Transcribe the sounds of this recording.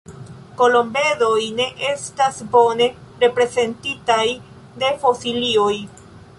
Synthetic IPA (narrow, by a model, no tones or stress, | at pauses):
ko̞lombe̞do̞jne̞ʔe̞stasbo̞ne̞ɾe̞pɾe̞ze̞ntitaj | de̞fo̞silio̞j